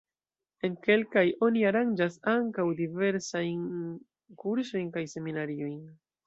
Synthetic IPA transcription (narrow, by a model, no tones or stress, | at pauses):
e̞nke̞lkajʔo̞niaɾand͡ʒasaŋkawdive̞ɾsajn | kuɾso̞jnkajse̞minaɾio̞jn